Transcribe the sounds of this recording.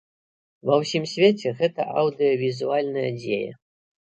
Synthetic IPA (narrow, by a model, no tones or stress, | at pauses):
vɐwsʲimsʲvʲet͡sʲɛɣɛt̪ɐʔɐwd̪ɨjɔvʲizualʲnɐjɐ̰d͡zʲejɐ̰